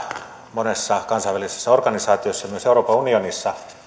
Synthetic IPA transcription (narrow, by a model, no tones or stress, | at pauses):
monesːɑkɑnsɑiʋælise̥sːɑorɡ̥ɑnisɑːt̪iosːɑmyøseuroːpɑunionisːɑ